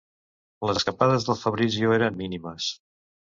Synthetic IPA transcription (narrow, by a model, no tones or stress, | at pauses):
ləzəskəpaðəzðəlˠfəβɾizioeɾəmːiniməs